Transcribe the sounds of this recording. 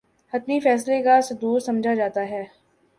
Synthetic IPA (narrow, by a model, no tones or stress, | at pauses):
ɐt̪nifɛːs̬lekased̪uːɾsɐmd͡ʒʱad͡ʒaːt̪aɦɛː